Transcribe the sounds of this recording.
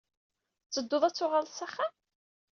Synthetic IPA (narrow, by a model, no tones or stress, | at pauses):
t͡sːəd̪ːoðˤæt͡sːʊʁəlsæχːæ